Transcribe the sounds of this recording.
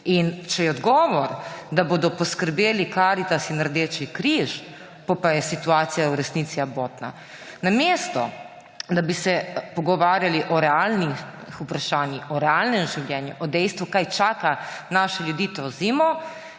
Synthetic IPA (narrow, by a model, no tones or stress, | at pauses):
int͡ʃɛjɛɔd̪ɡɔːʋɔɾd̪aboːd̪ɔpɔskəɾbeːlikaɾit̪asinːaɾd̪eːt͡ʃikɾiʃ | pɔpajɛsit̪uaːt̪sijauɾɛsniːt̪siaboːt̪na̰ | nameːst̪ɔ̰ | d̪abisɛpɔɡɔʋaːɾjaliʔɔɾɛalni | xupɾaʃaːnjixɔɾɛalnɛmʒiwljɛːnjuʔɔd̪ɛjst̪ʋukajt͡ʃaːkanaːʃɛljud̪iːt̪ɔziːmɔ